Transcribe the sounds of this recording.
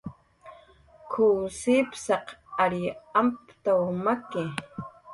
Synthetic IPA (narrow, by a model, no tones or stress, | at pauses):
kʰuːsiːpsɑqaɾjampt̪awmakɪ